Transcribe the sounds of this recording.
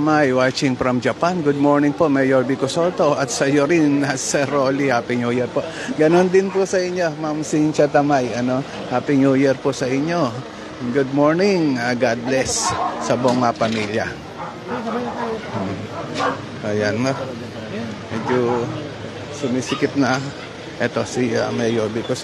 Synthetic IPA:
majwaːt͡ʃɪŋpɾɐmd͡ʒɐpanɡʊd̪̚moɹnɪŋpoʔmɛjoɹbikʊsot̪oʔɐt̪sɐjoɾɪnasɛɾolihaːpɪŋjuːjɛɾpoʔ | ɡɐnond̪ɪnpʊsɐɪɲːomamsint͡ʃɐt̪ɐmajɐno̞ | haːpɪŋjujɛɹpʊsɐʔɪɲːo | ɡud̪̚moɹnɪŋaɡad̪̚lɛsːɐboŋapɐmiljɐ | ʔɐjanmo | mɛɡjo | sʊmisɪkɪp̚nɐ | ʔɛt̪o̞sia̰mɛjoɹbikos

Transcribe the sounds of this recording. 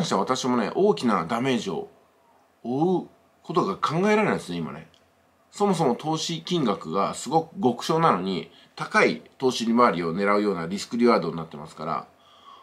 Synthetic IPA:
ãɕit̪aβat̪aɕimo̞ne̞̰ʔo̞ːkʲinad̪ame̞ːʑio̞̰ | oɯ̟ | ko̞t̪o̞ɡakʰãŋɡae̞ɾaɾeaid̪sɨneima̰ne | so̞mo̞s̬o̞mo̞t̪ʰo̞ːɕikʲĩŋɡakɯ̟ɡasɨɡo̞kɯ̟ɡo̞kɯ̟̥ɕo̞ːnano̞ɲ̟i | t̪akait̪o̞ːɕiɾʲimaːɾʲio̞ne̞ɾaɯ̟jo̞ːnaɾʲisɨ̥kɯ̟ɾʲiβaːd̪o̞ɲ̟inat̪ːemasɨ̥kaɾa̰

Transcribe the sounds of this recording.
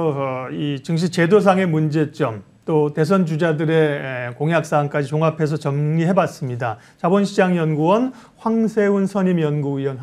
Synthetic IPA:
it͡ɕɯŋɕ̬ʰit͡ɕe̞dos̬ʰaŋe̞mund͡ʑe̞t͡ɕ͈ʌm | t͈ote̞s̬ʰʌnd͡ʑud͡ʑadɯɾe̞koŋjak̚s͈ank͈ad͡ʑit͡ɕoŋapʰe̞s̬ʰʌt͡ɕʌmɡiɦe̞bas͈ɯmɲida | t͡ɕabʌnɕʰid͡ʑaŋjʌnɡuwʌn | ɸwaŋsʰe̞unsʰʌɲimjʌnɡuiʌnɦ

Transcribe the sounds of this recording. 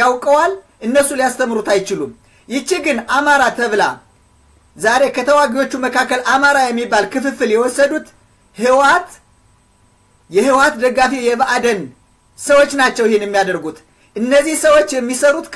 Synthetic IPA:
jawkʼəwal | ʔɨnːəsulijast̪ʰəmːɨɾut̪ajt͡ʃɪlum | jɪt͡ʃːiɡɨnamaɾat̪ʰəβla | zaɾe̞kʰət̪ʰəwaɡio̞t͡ʃːuməkʰakːəlʔamaɾajɛmːibːalkɨfɨfɨljɛwɔsːəd̪ut̪ | hɨwat̪ | jɛɦɨwat̪d̪əɡafijɛβaʔad̪ən | səwo̞t͡ʃːnat͡ʃːɛwɪhenjɛmːijad̪əɾɡut̪ | ʔɨnːəzːihsəwot͡ʃːjɛmːisəɾut̪

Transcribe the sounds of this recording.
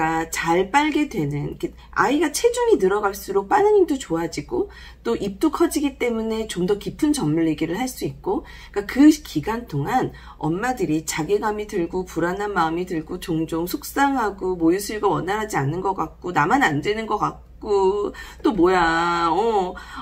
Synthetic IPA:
kat͡ɕaɭp͈aɭɡe̞dwe̞nɯnke | a̰iɡat͡ɕʰe̞d͡ʑuŋinɯɾʌɡaɭs͈uɾok̚p͈anɯɲimdot͡ɕoad͡ʑiɡo | t͈oʔip̚t͈ukʰʌd͡ʑiɡit͈e̞mune̞t͡ɕomdʌkipʰɯnt͡ɕʌmːuɭːeɡiɾɯɭhaɭs͈uik̚k͈o | k͈akɯkʰiɡant͈ʰoŋan | ʌ̰nmadɯɾit͡ɕaɡeɡamitɯɭɡopuɾananmaɯmitɯɭɡot͡ɕoŋd͡ʑoŋsʰok̚s͈aŋɦaɡomojusʰɯɭɡawʌnːaɾɦad͡ʑianːɯnɡʌk͈ak̚k͈onamanandwe̞nɯnɡʌk͈ak̚k͈ot͈omojaʌ

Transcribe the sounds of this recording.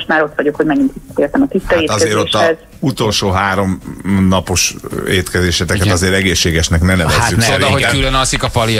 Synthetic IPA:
ʃt̪maːɾo̞t̪ʋɒɟo̞khoɟmɛɡint̪ʋiɒ̥t̪eːrt̪ɛmɒt̪isɒaeːt̪ɒzeːɾotʃːɒɛz | ut̪o̞lʃoːɦaːɾo̞mnɒpo̞ʃeːt̪kɛzeːʃɛt̪ɛkɛt̪ɒzeːɾɛɡeːʃːeːɡɛʃnɛknɛnɛvɛsaːyk̪nɾɒɦoɟylønɒsikɒfɒli

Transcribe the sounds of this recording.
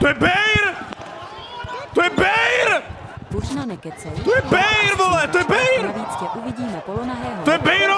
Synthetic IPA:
t̪ojɛbɛjɾ | t̪ojɛbɛjɾ | t̪ojɛbɛjɾvolɛt̪ojɛbɛjɾuviiːmt̪ojɛbɛjɾo

